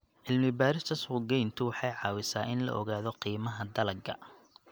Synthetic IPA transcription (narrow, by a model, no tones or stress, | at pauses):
ʕɪlmɪbaːɾɪst̪ʰɐswʊɡɛjnt̪ʰʊwɑħɑjʕɑːwɪsaːʔɪnlɐ̰ʔɔɣaːðɔqiːmɐɦɐd̪ɐlɐɡɐ̰